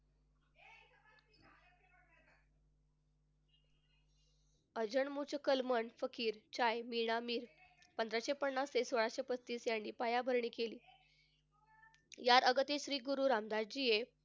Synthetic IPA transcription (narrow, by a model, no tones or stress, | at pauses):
əd͡ʑəɳmut͡ɕəkəlməɳfəkiːɾt͡ɕajmiɳamiːɾ | pənd̪ɾaɕepəɳːasesoɭaɕepət͡sʰt̪iːsjanːiːpajabʱəɾɳiːkeliː | jaɾəɡət̪iɕɾiːɡuɾuːɾamd̪aɾ̚d͡ʑije